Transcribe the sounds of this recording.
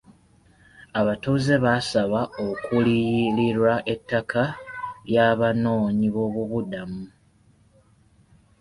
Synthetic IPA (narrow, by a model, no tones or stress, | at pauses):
aβatuːze̞βasaβao̞kuliliɾwaʔe̞tːakʰajaːβano̞ːɲiβo̞ːβuβudamu